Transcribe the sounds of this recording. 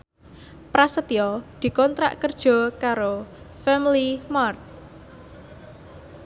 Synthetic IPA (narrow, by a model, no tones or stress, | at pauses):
pɾasət̪iɔd̪̥i̤kɔnt̪ɾa̰ʔkərd̥ʒ̥ɔ̤kaɾo | fɛmlimart̪̚